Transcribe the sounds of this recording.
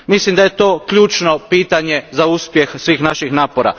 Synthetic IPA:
mislimd̪aje̞t̪o̞ːkʎuːt͡ʃno̞piːt̪aɲe̞zauspje̞xsʋiːxnaʃixnaːpoɾa̰

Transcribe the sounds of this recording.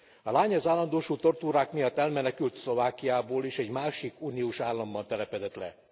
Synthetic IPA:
ɒlaːɲɒzaːlːɒnd̪oːʃuːt̪o̞rt̪uːɾaːkmijɒt̪ːɛlmɛnɛkylt̪slo̞vaːkijaːboːleːʃɛɟmaːʃikuːniuːʃaːlːɒmbɒnt̪ɛlɛpɛd̪ɛt̪lɛ̰

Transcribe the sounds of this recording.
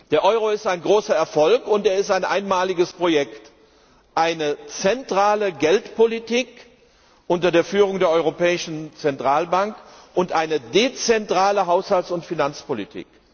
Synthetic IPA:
d̥eːɐʔɔʏʁoɪstaɪnɡʁoːsɐɛɐfɔlkʊnteːɐɪstaɪnʔa̰ɪnmaːlɪɡəspʁ̥ojɛkt | ʔaɪnət͡sɛntʁ̥aːləɡɛltpʰolitiːk | ʔʊntɐdeːɐfyːʁ̞ʊŋdeːɐɔʏʁopɛːɪʃn̩t͡sɛntʁ̥aːlbaŋkʔʊntʔaɪnədet͡sɛntʁ̥aːləɦaʊshaltsʊntfinant͡spolḭtʰḭːk

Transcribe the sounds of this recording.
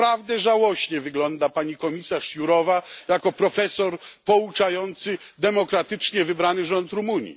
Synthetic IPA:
ɾavd̪ɛʐawɔɕɲɛvɘɡlɔnd̪apaɲikɔmʲisaʂjuɾɔvajakɔpɾɔfɛsɔɾpɔut͡ʂajɔnt̪sɘ | d̪ɛmɔkɾat̪ɘt͡ʂɲɛvɘbɾanɘʐɔnt̪ɾumuɲḭ

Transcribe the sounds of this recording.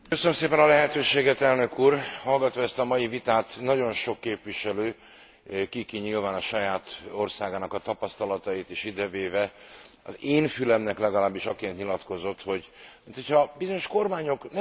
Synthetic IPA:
køsønømseːpɛnɒlɛɦɛt̪øːʃeːɡɛt̪ɛlnø̞kuːrhɒlɡɒt̪ʋɒɛst̪ɒmɒjivit̪aːt̪nɒɟo̞nʃo̞kːeːpʋiʃɛløː | kikiɲilvaːnɒʃɒjaːt̪o̞rsaːɡaːnɒkɒt̪ɒpɒst̪ɒlɒt̪ɒjit̪iʃid̪ɛveːvɛ | ɒ̰zeːnfylɛmnɛklɛɡɒlaːbːiʃɒkeːnt̪ɲilɒt̪ko̞zo̞t̪ho̞ɟmint̪ho̞cʰhɒbizo̞ɲo̞ʃko̞rmaːɲo̞knɛ

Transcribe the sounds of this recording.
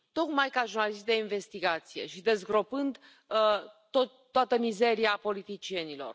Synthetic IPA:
t̪o̞kmajkaʒurnalist̪d̪e̞inve̞st̪iɡat̪sije̞̰ʃid̪e̞zɡɾo̞pɨnd̪ | ət̪oːoat̪əmize̞ɾiapo̞lit̪it͡ʃie̞nilo̞̰r

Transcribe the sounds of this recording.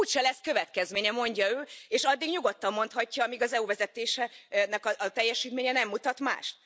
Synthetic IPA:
uːʃɛlɛskø̞vɛt̪kɛzmeːɲɛmo̞ɲɟɒøːeːʃɒd̪ːiɡɲuɡo̞t̪ːɒmːo̞n̪t̪hɒcːɒːmiɡɒzɛuvɛzɛt̪eːʃɛnɛkɒːt̪ɛjːɛʃiːt̪meːɲɛnɛmːut̪ɒt̪ma̰ːʃt̪̚

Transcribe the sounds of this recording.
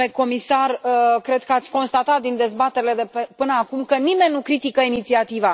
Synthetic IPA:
eko̞misarəkɾe̞d̪̚kəat̪sʲko̞nst̪at̪at̪̚d̪ind̪e̞zbat̪eɾile̞d̪epepɨnəakumkənime̞nʲnukɾit̪ikəinit̪siat̪iva

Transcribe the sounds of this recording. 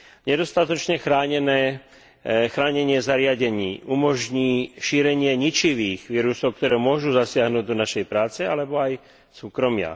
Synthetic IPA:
ɲɛd̪ɔst̪at̪ɔt͡ʃɲɛxɾaːɲɛnɛː | xɾaːɲɛɲɪɛzaɾɪaɟɛɲiːʔumɔʒɲiːʃiːɾɛɲɪɛɲit͡ʃiʋiːɣʋiːɾusɔʊk̚t̪ɔɾɛːmʊɔʒuzasɪaɦnuːɟd̪ɔnaʃɛjpɾaːt͡sɛalɛbɔaj | suːkɾɔmɪa̰

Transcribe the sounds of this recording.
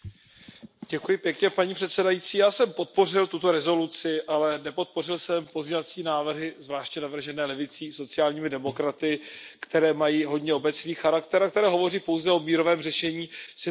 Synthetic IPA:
ɟɛkujɪpjɛkɲɛpaɲiːpr̥ɛt̪sɛdajiːt͡siːjaːsɛmpo̞t̪̚po̞r̝ɪlt̪ut̪o̞ɾɛzo̞lut͡sɪʔalɛnɛpo̞t̪̚po̞r̝ɪlsɛmpo̞zɲɛvat͡siːnaːvr̩ɦɪzvlaːʃcɲɛnavr̩ʒɛnɛːlɛvɪt͡siːso̞t͡sɪaːlɲiːmɪdɛmo̞kɾat̪ɪkt̪ɛɾɛːmajiːɦo̞dɲɛo̞bɛt͡sniːxaɾakt̪ɛɾak̚t̪ɛɾɛːɦo̞vo̞riːpo̞wzɛʔo̞miːɾo̞vɛːmrɛʃɛɲiːsɪ

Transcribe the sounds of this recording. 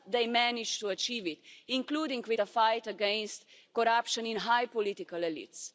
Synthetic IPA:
d̪eɪmɛnɪd͡ʒt̪uɐt͡ʃiːvɪt̪ĩŋkluːdĩŋɡwɪdəfajt̪əɡɛ̃nst̪kɔɾapʃə̃nĩnɦajpɔlit̪ikəlelḭːt̪s

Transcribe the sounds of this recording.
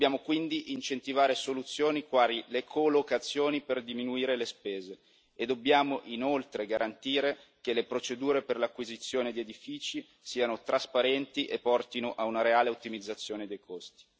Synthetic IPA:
d̪bjaːmokwind̪iʔint͡ʃent̪ivaːɾesolut̪sːjoːnikwaːɾilekʰolokat̪sːjoːniperd̪iminuiːɾelespeːzeː | d̪obːjaːmoʔinolt̪ɾeɡaɾʔant̪iːɾekelepɾot͡ʃed̪uːɾeperlakːwizit̪sːjoːned̪ied̪ifiːt͡ʃi | siːanot̪ɾaspaɾɛnt̪iʔepːɔrt̪inoʔaunaɾeaːleut̪ːimid̪zːat̪sːjoːned̪ejkʰost̪i̥

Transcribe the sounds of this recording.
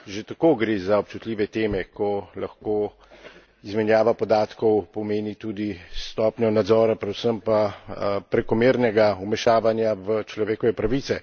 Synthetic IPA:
ʒet̪akoːɡɾeːzaɔp̚t͡ʃut̪lʲiːʋɛt̪eːmɛkɔlaxkoː | izmɛnjaːʋapɔd̪aːt̪kɔwpɔmeːnit̪uːd̪ist̪ɔːpnjɔnad̪zɔːɾapɾɛd̪usəmpapɾɛkɔmeːɾnɛɡaumɛʃaːʋanjaʋət͡ʃlɔʋeːkɔʋɛpɾaʋiːt̪sɛ

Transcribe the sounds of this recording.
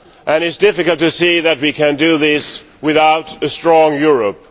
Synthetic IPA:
ʔɨ̃ñɨtsd̥ɪfɨkəlˠtʰɨsiðɨt̚wikʰɨ̃ndɨðɪs | wɪðaʊɾɨstɹ̥ɔ̃ŋjʊɹəp̚

